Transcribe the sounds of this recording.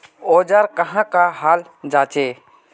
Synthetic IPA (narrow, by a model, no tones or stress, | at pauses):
oːd͡ʒaɾkəɦãkaɦaːl | d͡ʒaːt͡ʃeː